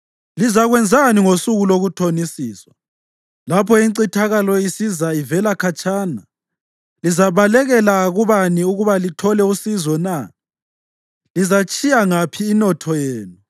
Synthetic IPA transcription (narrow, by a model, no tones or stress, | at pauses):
lizaɣwɛnd͡zʱaniŋosuɣuloɣutʰonisiːswa | lapʰɔiǀitʰaɣalɔisizaivɛlakʰat͡ʃʼaːna | lizaβalɛɣɛlaɣuβaniuɣuβalitʰɔlɛusizɔna | lizat͡ʃʼijaŋapʰiːnɔtʰɔjeːnu